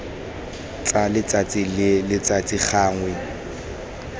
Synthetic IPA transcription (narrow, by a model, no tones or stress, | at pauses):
t͡ɬʼalɪt͡sʼat͡sʼilɪlɪt͡sʼat͡sʼik͡xʰaːŋwɛ